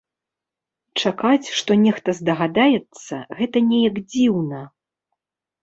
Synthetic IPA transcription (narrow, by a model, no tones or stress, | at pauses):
t͡ʂakat͡sʲʂt̪ɔnʲɛxt̪ɐzd̪ɐɣad̪ajɛt̪sːɐ̰ɣɛt̪ɐnʲɛjɐɡd͡zʲiwnɐ